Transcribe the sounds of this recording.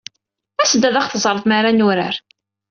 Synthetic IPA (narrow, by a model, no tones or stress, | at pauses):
æsd̪æðaχθəzˤəɾˤθˤmaɾanʊɾə̰ɾ